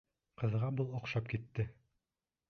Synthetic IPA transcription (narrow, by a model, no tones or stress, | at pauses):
qɤ̆ðʁɑbɤlˠŏqʃɑpkit̪ːɘ